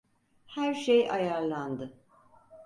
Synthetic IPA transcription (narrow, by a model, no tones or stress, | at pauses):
hæɾʃejʔajaɾlˠand̪ɯ